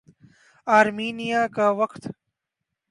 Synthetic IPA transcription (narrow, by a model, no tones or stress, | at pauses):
aːɾmiːnijaːkaʋɐkt̪